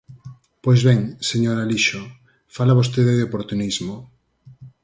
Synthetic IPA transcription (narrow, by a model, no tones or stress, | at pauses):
pojzβɛŋseɲoɾaliʃo | falaβos̬t̪eðeðeopoɾt̪unizmo